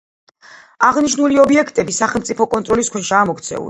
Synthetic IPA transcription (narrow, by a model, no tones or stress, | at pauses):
aʁniʃnuliɔbiɛkʰt̪ʼɛbisaχɛlmt̪sʼipʰɔkʼɔnt̪ʼɾɔliskʰwɛʃaːmɔkt̪sʰɛ̰ṵli